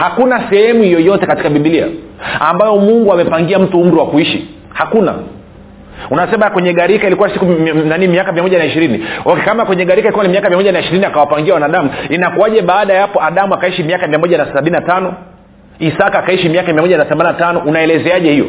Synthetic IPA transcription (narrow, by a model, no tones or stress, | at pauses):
hakunasɛhɛmuhijɔjɔtɛkati̥kaɓiɓilia̰ | ambajɔmuŋɡuamɛpaŋɡiam̩tuum̩ɾiwakuiʃḭ | hakuna̰ | unasɛmakwɛɲɛɠaɾikailikuwasikunanimiakamiamɔʄanaiʃiɾiniɔkɛkamakwɛɲɛɠaɾikailikuwanimiakamiamɔʄjanaiʃiɾiniakawapaŋɡiawanaɗamuinakuwaʄɛɓaːɗajapɔaɗamuakaiʃimiakamiamɔʄanasaɓininatanɔ | isakakaiʃimiakamiamɔʄanaθɛmaninatanɔunaɛlɛzɛaʄɛhijɔ̰